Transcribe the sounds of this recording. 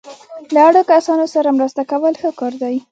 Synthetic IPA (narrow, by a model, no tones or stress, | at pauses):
laaɽokasɑnosaɾamɾəst̪akawəlxəkɑɾd̪ɑj